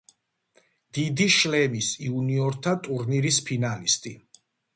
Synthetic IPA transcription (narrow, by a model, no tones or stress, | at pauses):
d̪̥id̪iʃlɛmisiuniɔɾt̪ʰat̪ʼuɾniɾispʰinalist̪ʼi